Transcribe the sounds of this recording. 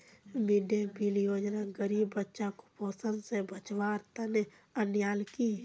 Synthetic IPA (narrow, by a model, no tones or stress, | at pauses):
mɪɖebiljoːd͡ʒnaɡəɾiːbːətːʃãko̥poːsənsebət͡ʃʋaːɾt̪əne | ənjaːlki